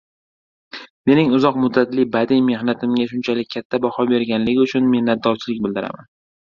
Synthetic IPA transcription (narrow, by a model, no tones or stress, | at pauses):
me̞nɪŋʊzɒqmʊd̪ːat̪lɪbad̪ɪjme̞hnat̪ʰɪmɡʲaʃʊnt͡ʃʰalɪk̚ʲkʰʲːat̪ʰːabahɒbe̞ɾɡʲanlɪɡʲɪʊt͡ʃʰʊnme̞hnat̪̚d̪ɒɾt͡ʃʰɪlɪk̚ʲbɪld̪ɪɾa̰man